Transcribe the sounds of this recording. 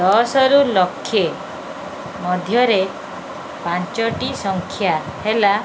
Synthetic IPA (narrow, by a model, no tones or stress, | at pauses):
d̪ɔsɔɾulɔkʰːje | mɔd̪ʱjɔɾe | pant͡ʃɔʈisɔŋkʰjahela